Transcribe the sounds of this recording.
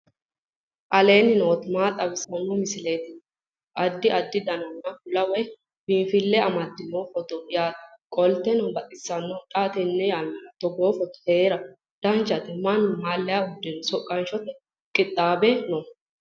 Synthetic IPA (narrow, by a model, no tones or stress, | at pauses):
ʔɐle̞ːnɪnoːt̪maːt̪ʼːɐbɪsɐnːɔmɪsɪleːt̪ɪ | ɐd̪ːɪʔɐd̪ːɪd̪ɐnɐnːɐfʊlɐwɛ | mifɪlːɛɐmɐd̪ːɪmɔfɔt̪ɔjaːt̪kʼɔlt̪ɛnɔbɐt̪ʼɪsːɐnːɔt̪ʼaːt̪ɛnːɛjaːlːɐɾɐt̪ɔɡoːfɔt̪ɔ̥heːɾɐ | d̪̥ɐnt͡ʃːɐt̪ɪmɐnːʊmaːlːɛjaʊd̪ɛnsɔkʼːɐnʃɔt̪ɛ | kʼɪt̪ʼːaːbɛnɔ